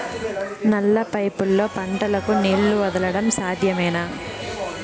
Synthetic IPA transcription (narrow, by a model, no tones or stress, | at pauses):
nɐlːɐpɐjpulːo̞ːpɐɳʈɐlɐkuneːɭːuʋɐd̪ɐlɐɽɐmsaːd̪ʱjɐmɛːnaː